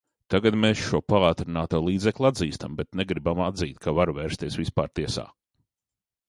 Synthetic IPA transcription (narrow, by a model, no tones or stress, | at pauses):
t̪aɡat̪meːsʃuɔpaaːt̪ɾinaːt̪oːlˠiːd̪zɛklʲˠad̪ziːst̪ambɛt̪neɡɾibamad̪ziːt̪̚kʰavaɾveːɾst̪iɛsʋispa̰ːɾt̪iɛsa̰ː